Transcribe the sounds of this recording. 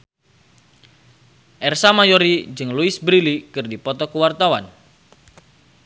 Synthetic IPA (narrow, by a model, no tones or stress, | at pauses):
ʔɛrsamajoɾid͡ʒɨŋluɪsbɾilikɨrdipɔt̪ɔkuwart̪awan